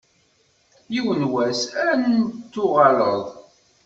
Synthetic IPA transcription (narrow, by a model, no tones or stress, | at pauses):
jiwənwæsænnt͡s̪ːʊʁɑləðˤ